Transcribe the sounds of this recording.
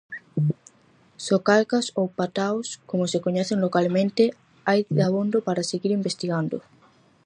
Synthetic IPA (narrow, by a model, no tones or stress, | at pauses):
sokalɣasowpat̪awskomosekoɲɛθeŋlokalmẽnt̪e | ajd̪aβond̪opaɾaseɣiɾimbest̪iɣand̪o